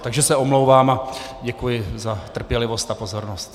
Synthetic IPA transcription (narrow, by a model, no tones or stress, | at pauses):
t̪aɡʒɛsɛomlowvaːmaɟɛkujɪzat̪r̩pjɛlɪvo̞st̪apo̞zoɾnost̪